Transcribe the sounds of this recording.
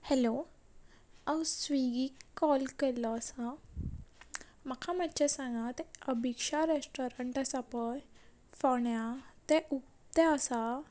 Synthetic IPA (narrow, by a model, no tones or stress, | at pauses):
hɛlo | awsʋiɡikːɔlkɛɾlɔəsa | makʰamat̪t͡ɕesãŋɡat̪ɛəbʱikʂaɾesʈɔɾəɳʈasapəj | fɔɳjat̪ɛʔuk | t̪ɛəsa